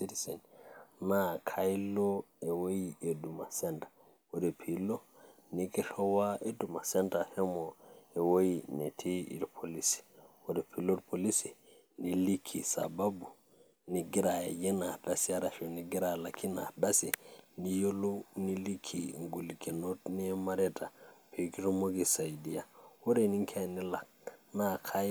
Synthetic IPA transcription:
siɾisɛ̰nnakʰajlɔɛwojiɛdumasɛntḁ | wɔdɛpʰilɔ | niɡɛɬɔwaʔedumasɛntahɛmɔɛwojinɛ̰tʰiḭɾpʰolisi̥wɔdɛpʰilɔɾpʰolisi | nilikʰːisa̰babu | niɡiɾa̰jɛnadasiaɾaʃɔniɡiɾalakʰina̰dasinijolunilikʰːiŋɡulikinotnimaɾɛtapʰekitmoɡisajdijawoɾeniŋkʰanila | nakʰaj

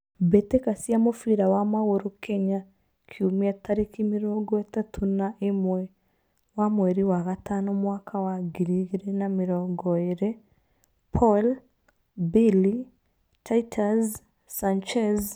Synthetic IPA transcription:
betekasiamofiɾawamaɣoɾokʰɛɲa | kʰiomiataɾekimiɾɔŋɡɔɛtatʰunaʔemwɛ | wamwɛɾiwaɣatanɔmwakʰawaɡiɾiɣeɾenamiɾɔŋɡɔeɾe | pʰɔl | bili | tʰaitʰaz | sant͡ʃɛz

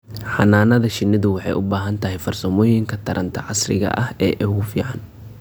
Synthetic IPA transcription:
ħɑnaːnɐðɐʃɪnːɪðʊwɑħɑ̰jʊbaːɦɐnt̪ʰɐɦɛjfɐrsɔmɔːjɪŋkʰɐt̪ʰɐɾʔɐnt̪ʰɐʕɑsrɪ̰ɣɐ̰ʔɐhɛːʔɛɣʊfiːʕɑn

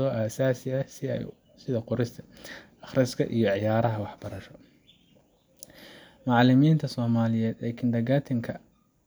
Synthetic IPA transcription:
ɔːʔaːsaːsɪɐsɪɛ̰j | sɪðɐqʊɾɪst̪ʰɐ̥ʔɑχrɐskʰɐ̰ʔḭjɞʕɪjaːɾɐɦɐwɑħb̥ɐɾɐʃɔ | mɑʕlɪmiːnt̪ʰɐsɔːmaːlɪjɛːd̪laːkʰɪnd̪ɐɣaːt̪ʰɐŋkʰɐ

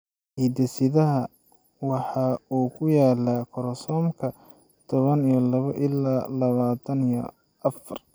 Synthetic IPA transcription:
hiːd̪ɛsɪðɐɦɐ | wɑħɑuːkʰʊjaːlɐkʰɔɾɔsɔːmkʰɐ | t̪ʰɔβɐnijɔlɐβɐʔɪlːaːlɐβaːt̪ʰɐnijɔ | ɐfɐr

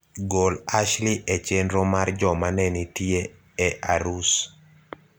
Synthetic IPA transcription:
ɡolaʃliʔɛt͡ʃenɾomard͡ʒɔmanɛnitie | ɛʔaɾus

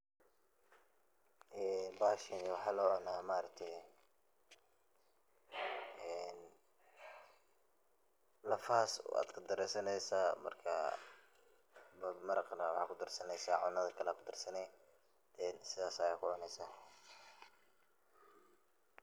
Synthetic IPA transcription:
ʔɛːnbaːʃɪniwɑħɑːlɔːɐnaːmaːɾɐk̚t̪ʰɛj | ɛn | lɐfaːsa̰ːd̪kʰʊd̪ɐɾɛsɐnɛjsaːmɐ̰rkʰɐ̰ | mmɐɾɑqnɐwɑħɑ̰ːkʰʊd̪ɐrsɐnɛjsaːʕʊnɐðɐkʰɐlɛkʰʊd̪ɐrsɐnɛ | ɛnsɪðaːsɐjaːkʰʊʕʊnɛjsaː

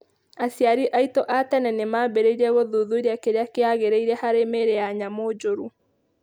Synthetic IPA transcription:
asjaɾiʔaitɔʔatɛnɛnemabeɾeiɾɛɣoðuðuiɾeakeɾeakeaɣeɾeiɾɛhaɾemeɾeaɲamod͡ʒoɾu

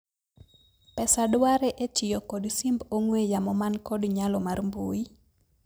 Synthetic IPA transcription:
pɛsadwaɾeʔet͡ʃɪjɔkɔdsimboŋwejamɔmankɔdɲalɔmarmbui

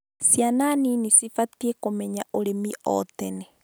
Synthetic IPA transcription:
sjananinisifatiekomɛɲaʔoɾemiʔɔ̰tɛnɛ

